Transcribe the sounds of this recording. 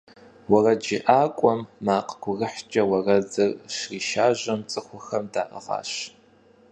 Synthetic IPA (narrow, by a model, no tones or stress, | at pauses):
wɐrɐd͡ʒɪʔaːkʷʼɔmːaːqʼɡʷʊɣɨħt͡ʃʼɐwɐrɐzɨrʃriːʃaːʑɐmt͡sʼɨxʷʊxɐmdaːʔɐ̰ʁɑ̰ːɕ